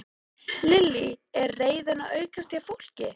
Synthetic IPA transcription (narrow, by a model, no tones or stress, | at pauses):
lɪlːiɛɾreːjðɪnaœːɥkast̪jafowl̥cɪ